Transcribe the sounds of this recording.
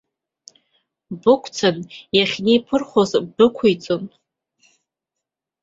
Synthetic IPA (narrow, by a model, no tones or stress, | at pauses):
bɨkʷʰt͡sʰanjaχʲnejpʰɨrχʷozbdɨkʷʰujt͡sʼon